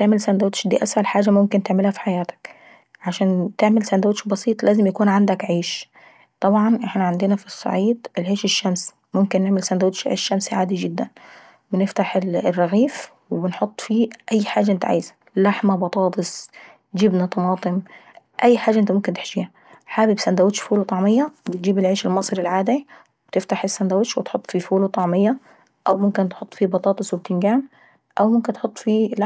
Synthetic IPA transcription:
t̪eʕmɪlsænd̪awt̪ʃd̪ḭːʔæsʕælħaːd͡ʒæmʊmkɪnt̪eʕmɪlhæfi̥ħajæːt̪æ̥k | ʕaʃæːnt̪eʕmɪlsænd̪awt̪ʃbɑsiːt̪ˤlæːzɪmjakuːnʕand̪ækʕeːʃ | t̪ˤɑbʕɑnʔɪħnæʕand̪ɪnæfisˤːɑ̰ʕiːd̪ʔɪlheːʃɪʃːæms | mʊmkɪnːeʕmɪlsænd̪awt̪ʃʔʃːæmsʕaːd̪id͡ʒɪd̪ːæn | bɪnɪft̪aħɪlrːɑɣiːf | wɪbɪnħot̪ˤːfiːʔajːħaːd͡ʒːaʔɪnt̪aʕa̰ːjz | laħmabɑt̪ˤɑːt̪ˤɨsˤ | d͡ʒɪbnat̪ˤɑmɑːt̪ˤɨm | ʔajːħaːd͡ʒaʔɪnt̪amʊmkɪnt̪ɪ̥ħd͡ʒiːha | ħaːbɪbsand̪awɪt̪ʃfuːlot̪ˤɑʕmɪjːɑbɪt̪̚d͡ʒiːbɪlʕiːʃɪlmɑsˤɾɪlʕaːd̪i | wɪb̥t̪ɪft̪aħɪsːænd̪awɪʃwɪt̪ħʊt̪ˤːfifuːlut̪ˤɑʕmɪjːɑ | ʔawmʊmkɪnt̪ħot̪ˤːfiːbɑt̪ˤɑːt̪ˤɑsʊb̚t̪ɪnɡaːm | ʔawmʊmkɪnt̪ħot̪ˤːfiːla

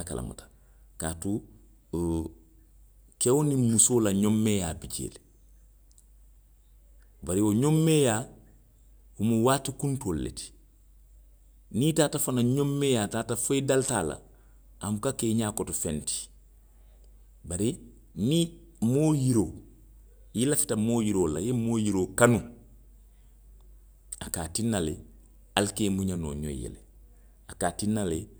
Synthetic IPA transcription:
ka̰la̰ma̰tḁ | ka̰ːtu | kewonimusoːlaɲomːeːjaːbiɟḛːl | baɾioɲomːeːja | humuwaːtikuntoːlːḛti̥ | nitaːtafanaɲomːeːjaːtaːtafoidalta̰la̰ | amukakeːɲaːkɔtofẽnti̥ | baɾi | ni | moːjiɾoː | jilafi̥tɐmoːjiɾoːla̰jemoːjiɾoːkanu | akaːtinːale | alkeːmuɲano̰ːɲo̰jḛlḛ | akaːtinːale

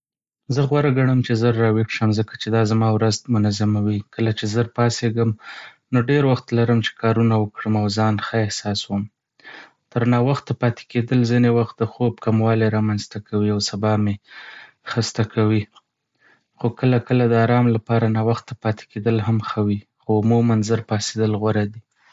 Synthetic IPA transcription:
zəɣwaɾaɡaɽ̃əmt͡ʃezəɾːɑwixʃəmzəkḁt͡ʃed̪ɑzamɑwɾazmʊnazamawikəlat͡ʃezəɾpɑseɡəm | noɖeɾwaxt̪laɾəmt͡ʃe̥kɑɾunawəkɽəmawzɑnxəehsɑswəm | t̪əɾnɑwaxt̪ːapɑt̪e̥ked̪əlzinewaxt̪̚d̪əxob̚kamwɑleɾɑmanzt̪akawiawsabɑme | xəst̪akʰawi | xokəlakəlad̪əaɾɑmlapɑɾanɑwaxt̪ːapɑt̪e̥ked̪əlɦamxəwi | xoʊmumanzəɾpɑsed̪əlɣwaɾad̪i

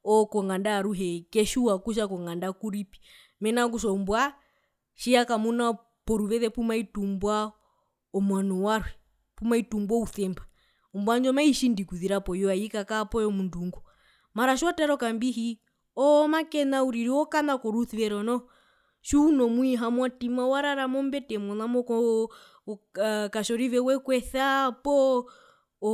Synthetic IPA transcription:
ɔkɔŋɡandaːɾuɦɛkɛʃuwakuʃ̬akɔŋɡandakuɾipi̥ | mɛnak̬uʃɔumbwa | ʃiakamuna | pɔɾuʋɛðɛpumaitumbwa | ɔmwanɔwaɾwɛ | pumaitumbwɔuθɛmba | ɔmbwand͡ʒɔmaiʃindikuðiɾapɔjɔaikakaːpɔjɔmunduŋɡu | maɾaʃatɛɾɔkambiɦi | ɔmakɛnauɾiɾiɔkanakɔɾuθiβɛɾɔnɔ | ʃuːnɔmuiɦamwatimawaɾaɾamɔmbɛtɛmɔnamɔkɔ | kaʃɔɾiβɛwɛkwɛθapɔ

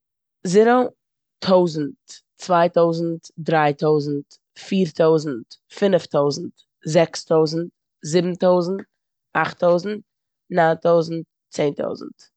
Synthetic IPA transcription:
zɪɾə | tʰoʊzn̩t | t͡svaɪtoʊzn̩tdɾaɪtoʊzn̩t | fiːɾtʰoʊzn̩tfɪnftoʊzn̩t | zɛkstʰoʊzn̩t̚ | zɪbm̩toʊzn̩t̚ | aχtoʊzn̩t̚ | natoʊzn̩t̚ | t͡seɪntʰo̰ʊzn̩t

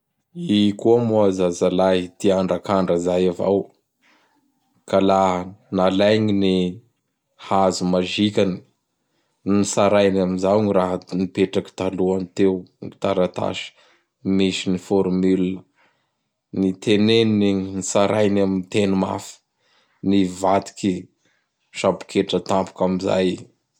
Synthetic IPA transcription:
ikuamuazazalaid̪iaɳɖ͡ʐakaɳɖ͡ʐazajava̰w | kalanalajɲini | hazumaʒikʲani̥ | nisaɾajnamizawɲiraɦnipeʈ͡ʂaki̥t̪aluanit̪ewŋit̪aɾat̪a̰ʃi̥ | miʃinifɔɾmylə | nit̪ʰeneninisaɾajnamint̪enuma̰fi̥ | nivat̪i̥ki | ʃapu̥kʰeʈ͡ʂət̪ampu̥kamiza̰j

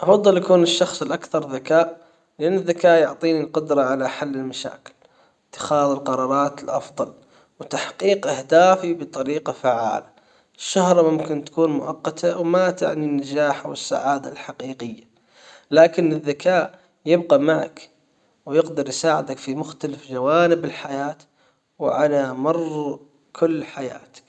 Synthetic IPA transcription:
ʔɑfɑðˤːɨljakuːnɪʃːɑxsˤɪlʔakθɑɾˤðakaːʔ | lɪʔanːɪðːakaːʔjʊʕt̪ˤiːnilqʊd̪ɾˤɑʕalaħalːɪlmaʃa̰ːkɪ̥l | ɪt̪ːɪ̥xɑːðɪlqɑɾˤɑːɾˤɑːt̪ɪlʔɑfðˤɑl | wt̪aħqiːqʔɪhd̪aːfibɨt̪ˤːɑɾiːqɑfaʕa̰ːla | ʃːahɾˤmʊmkɪnt̪ḁkuːnmʊʔɑqːɑt̪ʰawmat̪a̰ʕninad͡ʒaːħawɪsːa̰ʕaːd̪a̰lħaqiːqɪjːa | laːkɪnɪðːakaːʔ | jɪbqɑmaʕa̰k | wjɪqd̪ɑɾˤjsaːʕɪd̪akfimʊxt̪alafd͡ʒawaːnɪbɪlħajaːt̪ | wʔalamɑrˤ | kʰʊlːħaja̰ːt̪ḁk

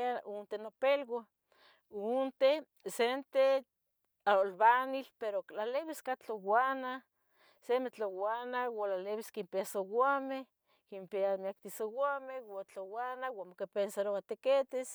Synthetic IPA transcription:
aunt̪enopelɡa | unt̪e | sent̪e | aolβanilpeɾolaleβiskat͡ɬowana | semet͡ɬowanawalaleβiskimpeasowameh | kimpeamiak̚t̪isowamewat͡ɬowanawamokepensaɾoat̪eket̪es

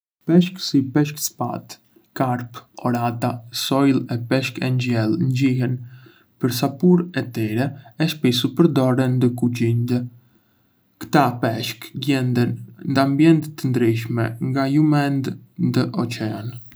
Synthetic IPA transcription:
pɛʃksipɛʃ̬kspa̰t̪ | kaɾpɔɾat̪asɔjlˠɛpɛʃkɛɲd͡ʑɛlˠnd͡ʑiɦɛn | pəɾs̬apuɾɛt̪ɛɾɛɛʃpɛsupəɾd̪ɔɾɛnd̪əkud͡ʑind̪ə | kt̪apɛʃkɡɛnd̪ənnd̪əambjɛnt̪ət̪ːənd̪ɾiʃ̬mɛ̰ŋɡajumɛnd̪nd̪əʔɔt͡ʃɛan

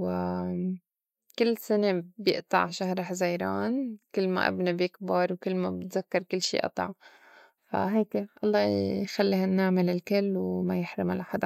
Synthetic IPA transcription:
w | kɪlːsɪnebjɪ̰ʔt̪ˤɑ̰ʕʃahɾˤɪħzajɾˤɑːnkɪlːma̰ʔa̰bnabjɪkbɑɾˤwkɪlːmabɪt̪zakːɑɾˤkɪlːʃḭːʔɑ̰t̪ˤɑ̰ʕ | fa̰ɦeːkeʔɑlˤːɑːjxalːiːhanːaːmɪlɪlkɪlːwmajɪħɾɪmalʔaħad̪a

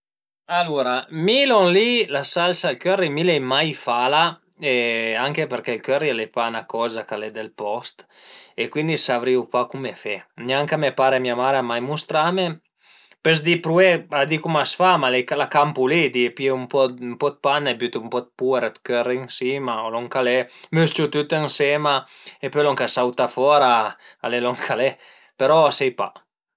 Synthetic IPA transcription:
aluɾamilɔnlilasalsalkørːimilɛjmajfala | eaŋkepɛɾkelkørːilepanakɔːzakalɛd̪elpɔst̪ekwind̪isavɾiupakumefɛnʲaŋkamepaːɾemiamaːɾamajmust̪ɾame | pɛs̬d̪ipɾuɛad̪ikumasfamalekalakampulid̪ipiɛumpɔmpɔd̪̚panːebyt̪umpɔd̪̚pueɾet̪køɾeŋsiːmaolɔŋkalɛmøst͡ʃut̪yt̪ənsɛmaepølɔŋkasawt̪afɔɾaalelɔŋkʰalɛ | peɾɔsɛjpa̰

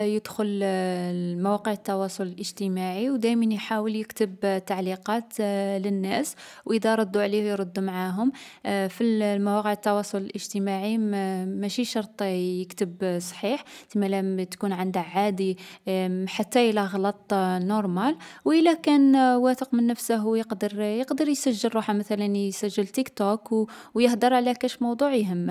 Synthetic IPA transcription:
jəd̪xʊl | mæwæqəʕət̪ːɑwɑsˤʊləlʔəʒt̪əmaʕiwd̪æjmænjħawəljəkt̪əbt̪ːaʕliqɑt̪lənːæs | wʔəd̪æɾˤʊd̪ːuʕlihjɾˤʊd̪ːumʕaɦʊmfilmæwɑqəʕət̪ːɑwɑsˤʊləlʔəʒt̪əmaʕimæʃiʃɑɾˤt̪ˤjəkt̪əbsˤħiħt̪imælæt̪kunʕənd̪əʕad̪i | ħat̪ːæʔlæɣlɑt̪ˤnoɾˤmælwʔəlækænwæt̪əqmənːəfsəɦwjəqd̪əɾjəqd̪əɾjsæʒːəlɾuħamæt̪ælənsæʒːəlt̪ikt̪okwwjəħd̪əɾˤʕlækæʃmɑwd̪ˤuʕjɦəmː

